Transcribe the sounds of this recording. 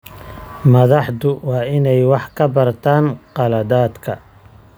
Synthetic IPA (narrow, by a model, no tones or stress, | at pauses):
mɐðɑħd̪ʊwɑːʔɪnɛjwɑħkʰɐbɐrt̪ʰaːnqɑlɐðaːd̪kʰɐ